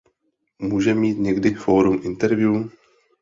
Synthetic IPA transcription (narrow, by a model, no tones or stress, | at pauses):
muːʒɛmiːt̪ɲɛɡdɪfoːɾumʔɪnt̪ɛɾvju